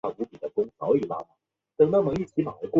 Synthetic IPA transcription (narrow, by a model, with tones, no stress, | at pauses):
a˥˩u˧˥pi˨˩d̪ə˦kʊ˥ŋxɑ˧˥ʊi˨˩la̰˥ma̰˨˩˦ | t̪ɤ˨˩ŋna˥˩ʈ͡ʂʊ˨˩ŋi˥˩t͡ɕʰi˧˥ma̰˨˩la̰˧˥kwɔ˥